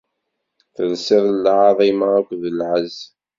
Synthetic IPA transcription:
θəlsɪðˤlʕɑðˤimaækʷːðəlʕəz

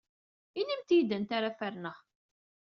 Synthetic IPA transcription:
inimt̪jid̪ənt̪aɾafæɾnəʁ

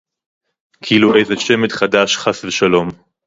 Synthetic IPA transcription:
kʰiiːluʔejzeʃemet̪χadaʃχasveʃalo̞m

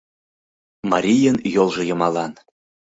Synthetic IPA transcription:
mɑɾʲijənjolˠʒɤ̆jɤ̆mɑlˠɑn

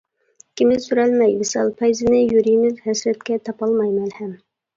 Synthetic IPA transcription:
kʲimɪzsyɾɛlmɛjmɪsɑ̰lˠpʰɛjzɪnɪjuɾimɪzhæsɾɛt̪kʲɛt̪ʰɑpɑlˠmɑjmɛnhɛm

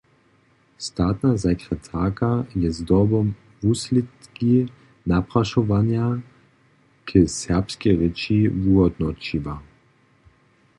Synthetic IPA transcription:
st̪aːt̪nazakʁɛt̪ʰaːkajɛzd̪ɔbɔm | vuslit̪ki | napʁaʃɔvanja | kʰəsɛʁpskɛʁit͡ʃivuɔd̪nɔt͡ʃiva

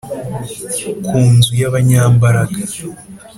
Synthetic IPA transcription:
kʰuːnzujaβaɲaːmbaɾaɡa

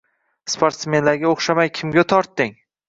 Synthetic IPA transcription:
spʰoɾt̪sme̞nlaɾɡʲaoχʃamajkʲʰɪmɡʲat̪ʰɒɾt̪ːɪŋ

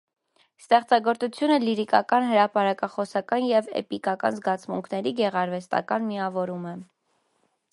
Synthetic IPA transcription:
st̪ɛχt͡sɑɡɔɾt͡sut͡sʰjunəliɾikɑkɑnɦəɾɑpɑɾɑkɑχɔsɑkɑnjɛvɛ̰pikɑkɑ̰nzɡɑt͡sʰmṵŋkʰnɛɾiɡɛʁɑɾvɛst̪ɑ̰kɑnmiɑvɔɾumɛ

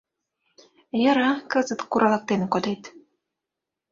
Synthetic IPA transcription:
jɤ̆ɾɑkɤ̆zə̆t̪kuɾʔɑlˠɤ̆k̚t̪enkod̪et̪

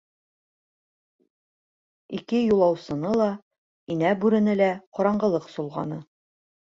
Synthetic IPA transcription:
ikɘjulˠɑwsɤ̆nɤlˠɑ | inæbʉɾɘ̆nɘlæqɒɾɑɴɢɤ̆lˠɤqsulˠʁɑ̰nɤ

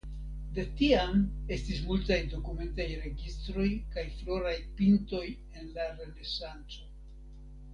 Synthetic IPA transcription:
de̞tiame̞stis̬multajdo̞kume̞ntajɾe̞ɡistɾo̞jkajflo̞ɾajpinto̞j | e̞nlaɾe̞le̞sant͡so̞

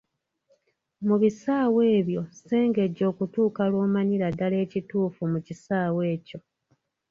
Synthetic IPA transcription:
muβisaːwe̞ːβjo̞se̞ːŋɡe̞ɟːo̞ːkutuːkalwo̞ːmaɲiɾadale̞ːcituːfumucisaːwe̞ːco̞

